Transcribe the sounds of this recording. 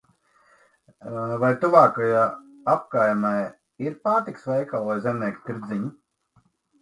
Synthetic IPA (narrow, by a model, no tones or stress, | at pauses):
vajt̪uvaːkajaː | ap̚kaːjmaj | iɾpaːɾt̪iksvɛjkalˠajzɛnɛkt̪t̪iɾd̪zʲiɲu